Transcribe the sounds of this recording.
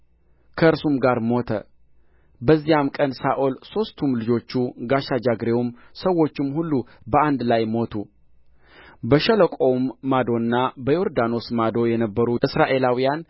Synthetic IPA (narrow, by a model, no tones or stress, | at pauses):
kʰəɨɾsumɡaɾmo̞t̪ʰə̰ | bəzːijamkʼənsaʔolso̞st̪ʰumlɨd͡ʒo̞t͡ʃːuɡaʃad͡ʒaɡɾe̞wumsəwo̞t͡ʃːɪmhulːubəand̪lajmo̞t̪ʰu | bəʃələkʼo̞mːad̪o̞nːabəjo̞ɾd̪ano̞smad̪o̞jɛnəbːəɾuʔɨsɾaʔe̞lawijan